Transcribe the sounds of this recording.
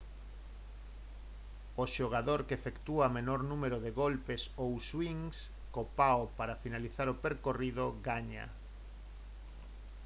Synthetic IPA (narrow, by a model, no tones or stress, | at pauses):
oʃoɣaðoɾkefekt̪uamenoɾnumeɾoðeɣolpesowswiŋs | kopaopaɾafinaliθaɾopeɾkoriðoɣaɲa̰